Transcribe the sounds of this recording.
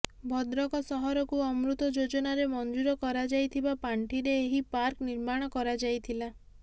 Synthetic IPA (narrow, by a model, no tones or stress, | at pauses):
bʱɔd̪ɾɔkɔsɔɦɔɾɔkuɔmɾut̪ɔd͡ʒod͡ʒɔnaɾemɔnd͡ʒuɾɔkɔɾad͡ʒajt̪ʰibapaɳʈiɾeːɦipaɾkniɾmaɽ̃ɔkɔɾad͡ʒajt̪ʰila